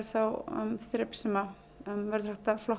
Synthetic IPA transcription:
ɾθaw̰mst̪ɾɪpsɛma | œmvɛɾðraht̪aflɔ

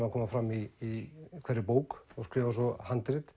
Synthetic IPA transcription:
makʰɔːmafɾamːiːkʰɛɾɪpoːwkɔskɾɪːvasɔhant̪ɾɪt̪

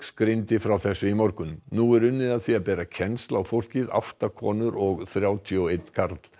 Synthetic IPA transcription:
skɾɪnt̪ɪfɾawθɛsːʏimɔɾkʏnnuɛɾʏnːɪðaðθiaðpɛːɾacʰɛnst̪lawfowl̥cɪða̰ft̪akʰɔːnʏɾɔɣθɾjaːwt̪ʰiɔwejt̪n̥kʰaɾt̪l̥

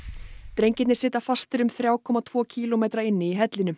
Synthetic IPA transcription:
t̪ɾejɲcɪt̪nɪɾ̥sɪːt̪afḁst̪ɪɾʏmθɾjaːwkʰɔmat̪ʰvɔːcʰiːlɔmejt̪ɾaɪnːɪiɦɛt̪lɪnʏ

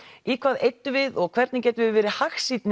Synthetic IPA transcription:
ikʰvaːðejt̪ːʏvɪðɔɣkʰv̥ɛɾt̪nɪcɛːt̪ʏvɪðvɛːɾɪhaxsit̪n

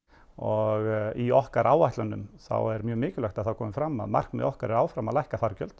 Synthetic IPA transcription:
ɔɣiɔhkaɾʔaːwaht̪lanːʏ̰mθa̰wɛɾmjœːmɪːcʏlɛxt̪aðθawkʰɔːmɪfɾamːa̰ðma̰r̥knmɛ̰ðɔhkaɾɛɾaːwfɾamalajhkafaɾcœ̰lt̪

